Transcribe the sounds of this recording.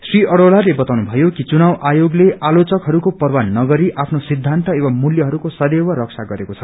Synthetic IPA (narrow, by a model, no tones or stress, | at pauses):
sriʔʌɽolalebʌt̪awnubʱʌjokit͡sunawʔajoɡleʔalot͡sʌkɦʌɾukopʌrwanːʌɡʌɾiʔapʰnosid̪ʱːant̪ʌewamuljʌɦʌɾukosʌd̪ewʌɾʌksʰaɡʌɾekot͡sʰʌ